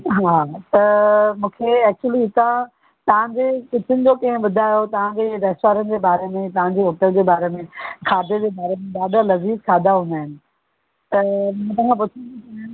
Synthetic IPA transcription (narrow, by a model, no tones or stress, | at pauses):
ɦaːt̪ɐmũːkʰeɛːk̚t͡ɕuəliɦɪt̪ã | t̪ɐʋ̤ãɲd͡ʑekɪt̪ʰɪnɪ̆d͡ʑokɐɦɪ̃ɓʊd̪ʱaːjot̪ɐʋ̤ãɲd͡ʑeːɾɛːsʈʋaːɾənɪ̆d͡ʑeːbaːɾemẽt̪ɐʋ̤ãɲd͡ʑeɦʊʈəld͡ʑeːbaːɾemẽkʰaːd̪ʱed͡ʑeːbaːɾemẽɗaːɗalɐziːzkʰaːd̪aɦʊ̃nd̪aːɦɪnɪ̆ | t̪ɐmɐɦt̪ãːkʰãp̬ʊt͡ɕʰũ